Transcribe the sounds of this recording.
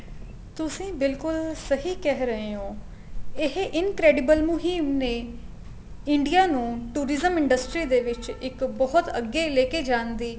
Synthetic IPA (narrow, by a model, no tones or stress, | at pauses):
t̪ʊsĩːbɪlkʊlsəɦiːkɛɦɾəɦeːõː | ɪɦʔɪnkɾɛːɖɪbəlmʊɦiːmneː | ɪɳɖijaːnũːʈuːɾɪzəmɪ̃ɳɖəsʈɾiːd̪eːʋɪt͡ʃɪkbɔːʊt̪əɡeːleːkeːd͡ʒãːnd̪iː